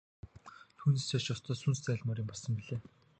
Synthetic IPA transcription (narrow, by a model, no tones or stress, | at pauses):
t̪ʰuːnisaʃɔst̪ʰɔːsunst͡sæːɮʲmɔːɾiːmpɔɮsɞ̆mpiɮeː